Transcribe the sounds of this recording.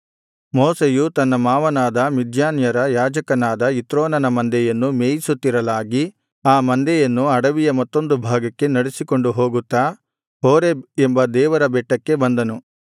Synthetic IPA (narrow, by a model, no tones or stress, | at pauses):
moːsejut̪ɐnːɐmaːʋɐnaːd̪ɐmid̪ʱjaːnjɐɾɐjaːd͡ʒɐkɐnaːd̪ɐit̪ɾoːnɐnɐmɐnd̪ɛjɐnːumeːjisut̪ːiɾɐlaːɡi | aːmɐnd̪ɛjɐnːuɐɽɐʋijɐmɐt̪ːo̞nd̪ubʱaːɡɐkːe̞nɐɽesiko̞ɳɖuɦo̞ːɡut̪ːa | ɦoːɾe̞embɐd̪ɛːʋɐɾɐbɛʈːɐkːe̞bɐnd̪ɐnu